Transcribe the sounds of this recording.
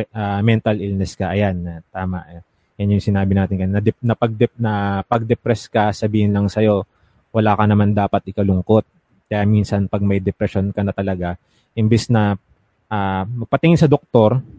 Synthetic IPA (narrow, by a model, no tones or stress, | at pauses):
ʔamɛnt̪ɐlilnɛskɐʔɐjanːɐt̪aːmɐʔ | janjʊŋsɪnaːbɪnaːt̪ɪnkɐnnɐd̪ɛnɐpɐɡ̚d̪ɛnɐpɐɡ̚d̪ɛpɾɛskɐsɐbiːhɪnlɐŋsɐjo̞ | wɐlaːkɐnɐmand̪aːpɐt̪̚ʔɪkɐlʊŋko̞t̪̚ | kɐjaːminsɐnpɐɡ̚mɐjd̪ɛpɾɛʃonkɐnɐt̪ɐlɐɡa | ʔɪmbɪsnɐ | ʔaːmɐɡ̚pɐt̪ɪŋɪnsɐd̪ok̚t̪o̞ɾ